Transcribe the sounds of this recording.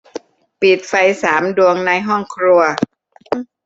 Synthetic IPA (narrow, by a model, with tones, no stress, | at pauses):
pi˨˩t̪̚fa˧jsaː˩˦mdu˧əŋna˧jɦɔ˥˩ŋkʰɾu˧ɐ